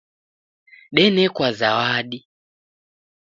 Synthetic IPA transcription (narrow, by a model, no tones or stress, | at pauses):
ɗɛnɛkwazawaɗi